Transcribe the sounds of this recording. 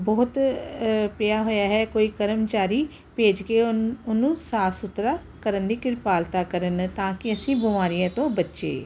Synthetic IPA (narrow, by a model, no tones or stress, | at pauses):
bɔːt̪ | pɪjaːɦoːjaːɦɛːkoːiːkəɾəmt͡ʃaːɾiː | peːd͡ʒkeːʊnũːsaːpʰsʊt̪ɾaː | kəɾənd̪iːkɪɾpaːlt̪aːkəɾənt̪ãːkɪəsĩːbʊmaːɾijãːt̪õːbətːʃḛː